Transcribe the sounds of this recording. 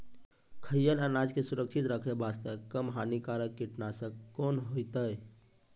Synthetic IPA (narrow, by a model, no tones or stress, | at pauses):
kʰəjənənad͡ʒkesuɾəkʃʰit̪ɾəkʰebast̪əkəmɦanikaɾəkːiʈnasə̃konɦojt̪əj